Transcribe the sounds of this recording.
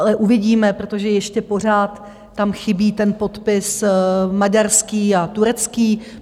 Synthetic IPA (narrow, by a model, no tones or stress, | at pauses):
alɛʔuvɪɟiːmɛpɾot̪o̞ʒɛjɛʃcɛpo̞r̝aːt̪ː | amxɪbiːt̪ɛnpo̞t̪pɪsmaɟarskiːat̪uɾɛt͡skiː